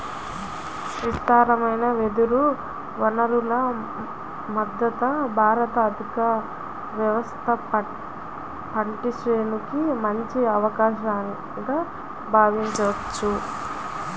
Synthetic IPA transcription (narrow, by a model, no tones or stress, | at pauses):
ʋist̪aːɾɐmɐjnɐʋed̪uɾu | ʋɐnɐɾulɐ | mɐd̪ːɐt̪ɐbʱaːɾɐt̪ɐːd̪ʱikɐ | ʋjɐʋɐst̪ʰɐ | pɐɳʈisɾeːnukimɐɲt͡ʃiɐʋɐkaːʃaːni | ɡa | bʱaːʋiɲt͡ʃɐʋɐt͡ʃːu